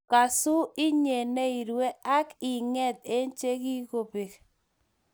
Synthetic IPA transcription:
ka˨sʊ˦ɪ˦ɲe˨ne˦i˨ɾwe˦a˦kɪ˨ŋɛ˦˨t̪̚e˦nt͡ʃe˦ki˦ko˨pi˨k

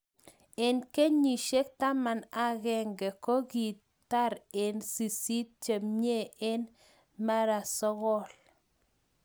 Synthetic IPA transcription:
e˨nke˦ɲi˨ʃe˦k̚t̪a˦ma˨na˦ɣɛ˨ŋɡɛ˨ko˦ɡi˨t | ta˦ɾe˨nsi˨si˦t̚t͡ʃe˨mɲe˦˨e˦n | ma˦ɾa˨sɔ˦ɣɔ˦l

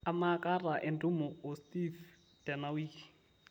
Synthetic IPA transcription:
amakʼa˦ra˨ʔɪndu˦mʊ˨ʊ˨stʼif | d̥ɛ˨nawiː

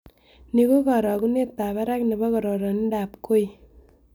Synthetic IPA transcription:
ni˦ko˦ka˨ɾɔ˨ku˦ne˦t̪ːa˨βa˦ɾa˦kne˨bɔ˦kɔ˨ɾɔ˨ɾɔ˨ni˦da˨pko˦j

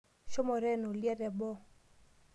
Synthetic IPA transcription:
ʃɔ˦mɔ˨ɾɛ˦nu˨li˦a˦ɾɛ˨bɔ˦

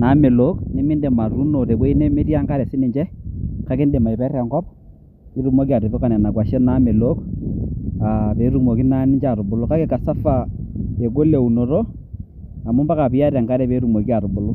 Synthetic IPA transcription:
na˨˦me˨lo˦knɛ˦mi˦nde˨ma˨ɾu˦no˨te˨bɔ˦i˦ne˦me˦tja˦ŋɡa˦ɾɛ˨sɪ˦nɪ˨d͡ʒɛ˦ka˦ke˦nde˨ma˨i˨pɛ˦rɛ˨ŋɡɔ˦p | ki˨˦ɾu˨mo˦k̬i˦a˨tʊ˨bʊ˦ka˨nɛ˨na˨kwa˨ʃɛ˦na˦me˨lo˦k | a˨pe˨˦ɾu˦˨mo˨ki˦na˦nɪ˦d͡ʒa˨ɾʊ˨bʊ˨lʊ˦ka˦ke˦ka˨sa˦fa˨e˨ɡo˦le˨u˨no˨ɾo˦ | a˨mu˦mba˦ka˨pi˨ja˦ɾa˨ŋɡa˦ɾɛ˨pe˨˦ɾu˨mo˨ki˦a˨ɾʊ˨bʊ˨lʊ˦

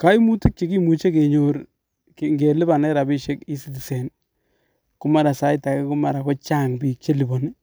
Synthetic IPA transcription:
ka˦i˦mu˦tɪ˦k̚t͡ʃe˨ki˦mu˨t͡ʃe˦ke˨ɲo˨ɾ | ke˨ŋɡe˨lɪ˦ba˨nɛ˦ɾa˨bɪ˦ʃe˦ki˦si˦ti˨sɛ˨n | kʊ˦ma˨ɾa˨sa˦ɪ˦ta˨ke˦kʊ˦ma˨ɾa˨kɔ˦t͡ʃa˦ŋpi˨k̚t͡ʃe˦li˨bɔ˨nɪ˦

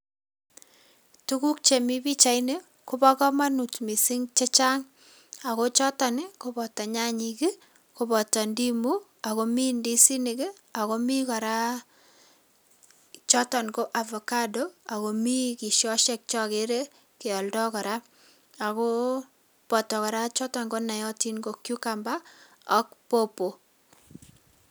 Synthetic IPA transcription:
tu˦ku˦k̚t͡ʃe˨mi˦bi˦t͡ʃa˨˦jne˦ | ku˦bɔ˦kɔ˦ma˦nu˨tmi˨si˦ŋt͡ʃe˦t͡ʃa˦ŋ | a˨ko˦t͡ʃɔ˦tɔ˨nɪ˦ko˦bɔ˨ta˨ɲa˦ɲiki˦ | ko˨bɔ˨tɔ˨ndi˦mu˦ | a˨ko˦mi˦ndi˦si˦nɪ˨kɪ˦ | a˨ko˦mi˦kɔ˨ɾa˦ | t͡ʃɔ˦tɔ˨nko˦ʔa˨vɔ˨ka˦do˦a˨ko˨mi˦ki˨ʃjɔ˦ʃɛ˦k̚t͡ʃɔ˦ke˦ɾe˦ | ke˨ɔ˨ldɔ˦kɔ˨ɾa˦ | a˨ko˦ | pɔ˨tɔ˨kɔ˨ɾa˦t͡ʃɔ˦tɔ˨ŋɡo˦na˨jɔ˦ti˦nɡo˨kju˦ka˨mba˦ | ɔ˦k̚po˦po˨

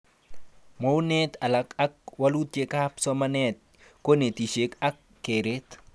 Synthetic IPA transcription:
mo˦wnɛ˦t̪a˨la˨ka˦k̚wa˦lu˦t̪̚e˦kapsɔ˦ma˦nɛt̪̚ko˦ne˨t̪i˨ʃe˦ka˦kːe˨ɾe˦t̪

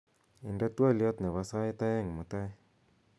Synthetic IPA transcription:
i˨nda˦twa˦ljɔ˦tnɛ˨βa˨sa˦ɪ˦ta˦ɛ˦ŋmu˨ta˦

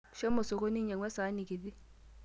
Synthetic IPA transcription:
ʃɛ˦mɔ˨so˨ko˦ni˦ɲɛ˨ŋwɛ˦sa˨˦ni˨ki˨di˦

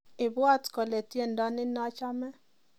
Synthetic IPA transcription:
ɪ˨bwa˦tkɔ˨le˨tje˦˨ndɔ˦nɪ˦nɔ˦t͡ʃa˦mɛ˦

